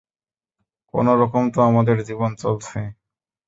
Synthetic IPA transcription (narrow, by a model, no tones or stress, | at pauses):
ko̰noɾɔkomt̪oamad̪eɾd͡ʑibont͡ɕolt͡ɕʰe